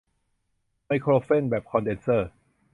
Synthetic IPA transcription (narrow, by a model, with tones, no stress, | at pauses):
ma˧jkʰɾoː˧fe˥˩nbɛː˨˩p̚kʰɔ˧nde˧nsəː˥˩